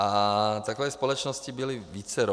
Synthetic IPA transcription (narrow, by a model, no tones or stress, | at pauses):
at̪akʋɛjspɔlɔt͡ʃnɔscibiliʋiːt͡sɛɾɔ